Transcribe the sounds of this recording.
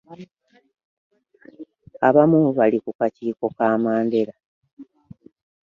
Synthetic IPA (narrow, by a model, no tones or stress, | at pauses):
aβamuβalikukaciːko̞kaːmaːnde̞ɾa